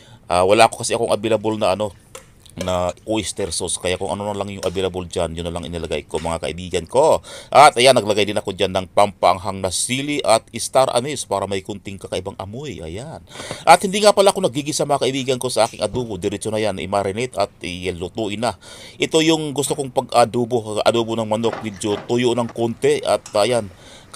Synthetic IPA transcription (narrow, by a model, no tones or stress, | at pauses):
ʔaːwɐlaʔkokɐsɪɐkoŋʔɐbɪlabolnɐʔɐno̞ | nɐʔojst̪ɛɾsoskɐjakʊŋʔɐ̰nonɐlaŋjʊŋɐbɪlɐbold͡ʒanjʊnːɐlaŋɪnɐlɐɡa̰jko̞mɐŋakɐ̰ʔɪbiːɡɐnko̞ʔɐt̪ʔɐjanːɐɡlɐɡajd̪ɪnɐko̞d͡ʒanːɐŋpampaʔɐŋɦaŋnɐsiːliʔɐt̪̚ɪst̪aɾʔa̰nɪspaːɾɐmɐkʊnt̪ɪŋkɐkɐʔɪbaŋʔɐmojʔɐ̰janʔɐt̪̚hɪnd̪iːŋapɐlaʔɐkonɐɡ̚iːɡisɐmɐŋakɐʔɪbiːɡɐnko̞sɐʔaːkɪŋʔɐd̪uːbod̪ɛɾɛt͡ʃonɐjanɪ̰maɾɪnɪt̪ɐt̪̚ʔɪlʊt̪uʔɪnaʔɛt̪o̞jʊŋɡʊst̪okoŋpɐɡad̪uːbohʔɐ̰d̪uːbonɐŋmɐno̞k̚mid͡ʒot̪ʊjoʔnɐŋkont̪ɛɐt̪̚ajan